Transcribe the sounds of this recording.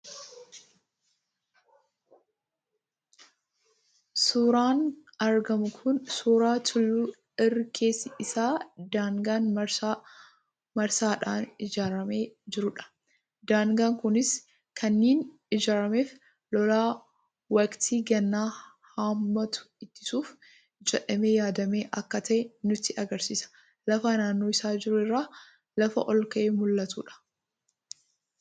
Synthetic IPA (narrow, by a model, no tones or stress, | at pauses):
suːɾaːnɐɾɡɐmʊkʰʊnsuːɾaːt̪ʰʊlːuː | ɪrːɪkʰe̞ːsːɪɪsaːd̪aːŋɡaːn | mɐɾsaːᶑaːnɪd͡ʒaːɾɐme̞ːd͡ʒɪɾʊᶑɐ̥ | d̪aːŋɡaːŋkʊnɪs | kʰɐnːeːn | ɪd͡ʒaːɾɐme̞ːf | lɔlaː | wɐkt̪ʰiːɡɛnːaː | haːmːɐt̪ʊ̥ | ɪt̪ːɪ̥suːf | d͡ʒɛᶑɐme̞ːjaːd̪ɐme̞ːʔɐkːɐt̪ʰɐʔɛnʊt̪ːɪɐɡɐɾsiːsɐ̥ | lɐfɐnaːnːo̞ːɪsaːd͡ʒɪɾʊɪrːaː | lɐfɐ̰ʔɔlkɐʔeːmʊlːɐt̪ṵːᶑɐ̥